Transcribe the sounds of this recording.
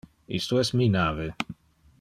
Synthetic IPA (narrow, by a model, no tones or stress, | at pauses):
ḭst̪oɛst̪minaːve